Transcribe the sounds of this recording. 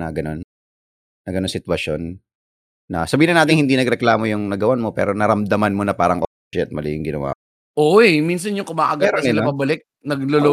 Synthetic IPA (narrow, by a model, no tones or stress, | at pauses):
nɐɡɐno̞nː | ɐɡɐnonsɪt̪wɐʃo̞nː | ɐsɐbiːhɪɪnaːt̪ɪŋhɪnd̪inɐɡɾɛklaːmojʊŋnɐɡɐwanmopɛ̰ːɾo̞nɐɾɐmd̪ɐmanmonɐpaːɾɐŋʔo | ɛ̰t̪̚mɐlijʊŋɡɪnɐ̰wa̰ː | ʔoɛmins̬ɐnjʊŋkʊmaːʔɐɡaɾɪlɐpɐbɐlɪk̚ | nɐɡlolo